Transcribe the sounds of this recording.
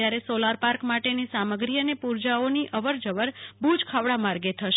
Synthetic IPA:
jaɾesolaɾpaɾkmaʈenisaməɡɾijənepuɾd͡ʒaoniʔʔəʋəɾd͡ʒəʋəɾbud͡ʒkʰaʋɽamaɾɡet̪ʰəʃ

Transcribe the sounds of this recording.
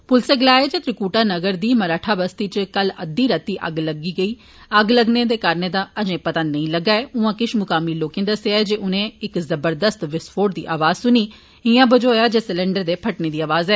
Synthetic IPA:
pʊlseːɡlaːeːd͡ʒet̪ɾɪkuːʈaːnəɡəɾd̪iːməɾaːʈʰaːbəst̪iːt͡ʃkələ̰d̪ːiːɾət̪iːʔə̰ɡləɡiːɡəiː | əɡləɡnẽːd̪eːkaːɾneːd̪aːəd͡ʒẽːpət̪ãːnəĩːləɡaːɛːʊãːkɪʃmʊkaːmiːloːkẽːd̪əseaːɛd͡ʒeːʔʊnẽːɪkzəbəɾd̪əst̪ʋɪspʰoːʈd̪ḭːʔaːʋaːzsʊniː | ɪjãːbəd͡ʒoːjaːd͡ʒeːsɪlẽːɳɖəɾd̪eːpʰəʈnẽːd̪iːaːʋaːzɛː

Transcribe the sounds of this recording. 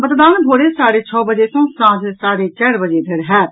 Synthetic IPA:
bət̪d̪aːnbʱoːɽeːsaːɽeːt͡ʃʰɔːbəd͡ʒeːsõːsãːd͡ʒsaːɾeːt͡ʃɛːɾbəd͡ʒeːb̪ʱɪɾɦɛː

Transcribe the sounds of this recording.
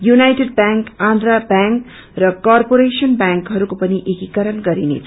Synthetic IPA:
junajʈeɖ̚baŋkãnd̪ɾabaŋk | rʌkarpoɾesʌnbjaŋkɦʌɾukopʌniʔekikʌɾʌnɡʌɾinḛt͡sʰ

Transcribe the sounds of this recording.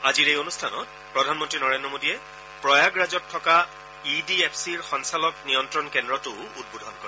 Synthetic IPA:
aziɹejonustʰanɔ̰t̚ | pɹɔdʱanmɔntɹinɔɹendɹɔmodiɛ | pɹɔjaɡɹazɔtʰːɔka | idiepʰsiɹxɔnsalɔknijɔntɹɔnkɛndɹɔtʊud̚budʱɔnkɔɹɛ

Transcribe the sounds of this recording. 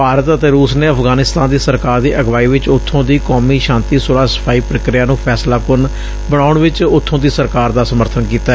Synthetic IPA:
paːɾət̪ət̪eːɾuːsneːəpʰɡaːnɪst̪ãːnd̪iːsəɾkaːɾd̪iːʔəɡʋaːiːʋɪt͡ʃʊt̪ʰːõːd̪iːkɔːmiːʃãːnt̪iːsoːlaːsə̥pʰaːiːpɾəkɾɪjaːnũːpʰɛːslaːpʊn | bəɽ̃ɳ̃aːʊɳʋɪt͡ʃʊt̪ʰːõːd̪iːsəɾkaːɾd̪aːsəməɾt̪ʰənkiːt̪aɛ

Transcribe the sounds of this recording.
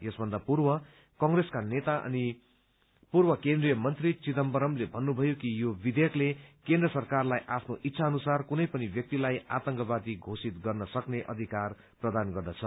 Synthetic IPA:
jʌsbʱʌnd̪apurwʌ | kʌŋɡreskanet̪aʔʌ̰ni | purbʌkẽnd̪rijʌmʌnt̪rit͡sit̪ʌmbʌɾʌmlebʱʌnːubʱʌjokijobid̪eklekẽnd̪rʌsʌrkarlajʔapʰnoʔitːsʰaʌnusarkunʌjpʌnibjʌk̚t̪ilaja̰t̪ʌŋkʌbad̪iɡʱosit̪ɡʌrnʌsʌkneʔʌ̰d̪ʱikar | prʌd̪anɡʌrd̪at͡sʰʌ

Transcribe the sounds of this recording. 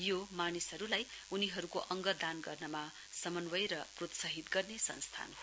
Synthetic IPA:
jomanisʌɾulajuniɦʌɾukoʔʌŋɡʌd̪anɡʌrnʌma | sʌmʌnwʌjɾʌprot̪sʌɦit̪ɡʌrnesʌ̰nst̪ʰa̰n

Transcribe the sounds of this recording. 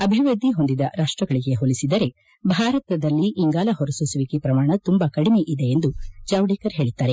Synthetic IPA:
ɐbʱiʋɾɐd̪ːiɦo̞nd̪id̪ɐɾaːʂʈɾɐɡɐɭiɡe̞ɦolisid̪ɐɾe̞ | bʱaːɾɐt̪ɐd̪ɐlːiʔːŋɡaːlɐɦoɾɐsusɐʋikepɾɐmaːɳɐt̪umbɐkɐɽime̞ʔid̪e̞ːnd̪ud͡ʒaːwɖikɐɾɦe̞ːɭit̪ːaːɾe̞

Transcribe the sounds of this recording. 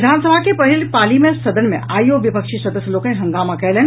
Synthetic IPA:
d̪ʱaːnsəbʱakepɐɦilpaːlimẽsɐd̪ənmḛ̃aːioʋɪpəkʃisɐd̪əsjəloːkənɦɐ̃ŋɡaːmakɛlen

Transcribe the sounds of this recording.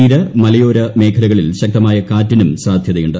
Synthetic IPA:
iːɾɐmɐlɐjo̞ːɾɐme̞ːkʰɐlɐɣɐɭilɕɐk̚t̪ɐmaːjɐkaːtːinumsaːd̪ʱjɐðɐjuɳɖɨ

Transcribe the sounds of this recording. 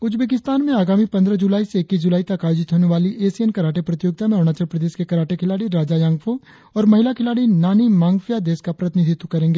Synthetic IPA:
ʊd͡ʒbeːk̬ɪst̪aːnmẽaːɡaːmipɐnd̪ɾəd͡ʒulaːiseːkːiːs̬d͡ʒʊlaːit̪ɐkaːjoːd͡ʒɪt̪ɦoːneʋaːliʔeːsiɛnkɐɾaːʈepɾɐt̪ɪjoːɡ̚t̪amẽoɽ̃aːt͡ʃəɾpɾɐd̪eːʃkekɐɾaːʈekʰɪlaːɽiɾaːd͡ʒajãːŋɡfʰo | ɔːɾmɐɦɪlakʰɪlaːɽinaːnimãːŋɡfʰijad̪eːskapɾɐt̪ɪnid̪ʱɪt̪wkɐɾẽːŋɡeː

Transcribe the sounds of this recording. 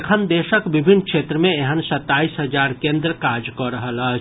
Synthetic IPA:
kʰənd̪eːʃəkʋɪbʱɪnkʃeːt̪ɾəmẽeɦənsɐt̪ːaːiːsɦɐzaːɾkẽːnd̪ɾəkaːd͡ʒkɔɾɐɦəla

